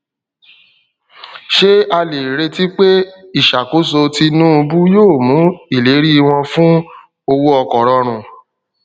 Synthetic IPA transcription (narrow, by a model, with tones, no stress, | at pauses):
ʃe˦a˧le˨ɾe˧ti˦k͡pe˦i˦˨ʃa˨ko˨˦s̬o˧ti˧nũ˦˧bu˦joː˦˨mũ˨˦i˦˨le˨˦ɾi˦˧w̃ɔ̃˧fũ˦ | o˧wu˦ɔ˧kɔ˨ɾɔ˧ɾ̃ũ˨